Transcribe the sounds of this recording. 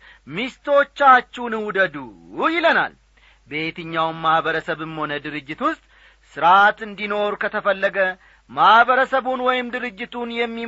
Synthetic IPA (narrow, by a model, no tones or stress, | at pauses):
mist̪ʰo̞t͡ʃːat͡ʃːunɨwud̪əd̪u | jɪləna̰l | be̞t̪ɨɲːawnmːahβəɾəsəβɨmho̞nəd̪ɨɾɨd͡ʒːɪt̪wʊst̪ʼ | sɨɾat̪ɨnd̪ino̞ɾukʰət̪ʰəfəlːəɡə | mahβəɾəsəβunwɔjɪmd̪ɨɾɨd͡ʒːɪt̪ʰunjɛmːi